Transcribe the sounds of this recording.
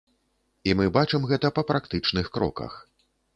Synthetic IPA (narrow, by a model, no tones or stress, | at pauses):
imɨbat͡ʂɨmɣɛt̪ɐpɐpɾakt̪ɨt͡ʂnɨxkɾɔ̰kɐ̰x